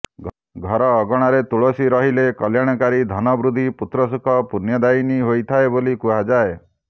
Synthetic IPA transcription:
ɡʱɔɾɔːɡɔɽ̃aɾet̪uɭosiɾɔɦilekɔljaɽ̃ɔkaɾid̪ʱɔnɔbɾud̪ʱiput̪ɾɔs̬ukʰɔpunjɔd̪ainiɦojt̪ʰaebolikuɦad͡ʒae

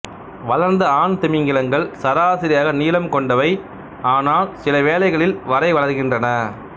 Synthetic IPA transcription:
ʋɐlɐɾnd̪ɐaːnt̪ɪmɪŋɡɪlɐŋɡɐɭsɐɾaːsɪɾɪjaːɣɐniːlɐmkɔɳɖɐʋɐɪ | aːnaːlsɪlɐʋeːlɐɪɣɐɭɪlʋɐɾɐɪʋɐɭɐɾɣɪndrɐnɐ

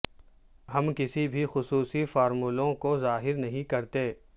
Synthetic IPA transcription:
ɦɐmkɪsibʱixʊsuːsifɔːɾmuːlõkozaːɦɪɾnɐɦĩkɐɾt̪eː

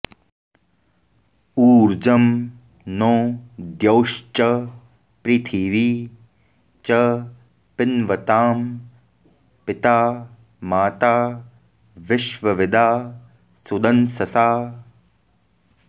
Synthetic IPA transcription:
uːɾd͡ʒɐm | noːd̪jɐwʃt͡ʃɐ | pɾiːt̪ʰiːʋiː | t͡ʃɐ | pɪnʋɐt̪aːm | pɪt̪aː | maːt̪aː | ʋɪʃʋɐʋɪd̪ʱaː | sud̪ɐnsɐsaː

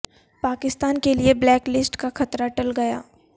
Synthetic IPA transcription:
paːkɪst̪aːnkelieblɛːklɪsʈkaxɐt̪ɾaʈɐlɡɐja̰ː

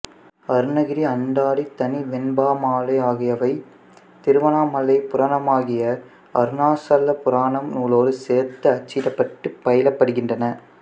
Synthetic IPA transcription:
ɐɾɯnɐɣɪɾiɐɳɖaːɽit̪ɐniʋɛnbaːmaːlɐɪaːɣɪjɐʋɐɪ | t̪ɪɾɯʋɐnaːmɐlːɐɪpʊɾɐːnɐmaːɣɪjɐ | ɐɾɯnaːsɐlːɐpʊɾaːɳɐmnuːloːɾɯseːɾt̪ɯɐt͡ʃːɪɾɐpːɐʈːɯpːɐjɪlɐpːɐɽɯɣɪndrɐnɐ

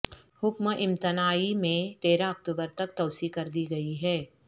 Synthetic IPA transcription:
hʊkməʔɪ̃mt̪ɪnaːimẽt̪eːɾãɐk̚t̪uːbəɾt̪ɐkt̪ɐːsikɐɾd̪iɡɐiɦɛː

